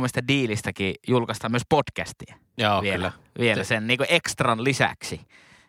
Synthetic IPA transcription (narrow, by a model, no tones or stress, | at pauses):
moest̪ɑdiːlist̪ækijulkɑst̪ɑmyøspotkæ̰st̪iæ | oʋiel | ʋielæsenniːŋkuʔekst̪rɑnlisæ̰ksi